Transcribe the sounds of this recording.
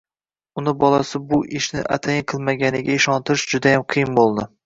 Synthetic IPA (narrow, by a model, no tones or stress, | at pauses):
ʊnɪbɒlˠasɪbʊʔɪʃnɪ̰ʔa̰t̪ʰajɪqʰɨlˠmaɡʲanɪɡʲaɪʃɒnt̪ɪɾɪʃd͡ʒʊd̪ajamqʰɨjɪmbolˠd̪ɪ